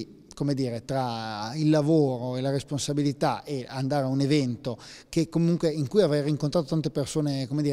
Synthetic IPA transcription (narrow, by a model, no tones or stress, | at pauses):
komed̪iːɾet̪ɾailːavoːɾoelaɾesponsabilit̪a̰eand̪aːɾeaunevɛnt̪okekːomuŋkweiŋkujavɾɛjriŋkont̪ɾaːt̪ot̪ant̪epersoːnekomed̪iːɾ